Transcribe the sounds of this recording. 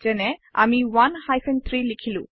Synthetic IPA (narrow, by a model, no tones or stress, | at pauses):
z̥ɛnɛa̰miwanhajfʰɛnt̪ʰɹilikʰilṵ̃